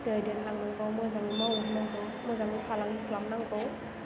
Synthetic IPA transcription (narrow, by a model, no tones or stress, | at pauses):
dɯjdɯnlaŋnaŋɡɯwmɯzaŋimawunnaŋkɯwmɯzaŋipʰalaŋikʰlamnaŋkɯw